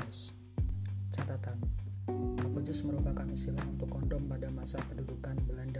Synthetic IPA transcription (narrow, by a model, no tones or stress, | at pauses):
s | t͡ʃat̪at̪an | kɔpud͡ʒʊsməɾupakanisilaŋunt̪ʊkːɔndɔŋpadamasapədudukanbəlanda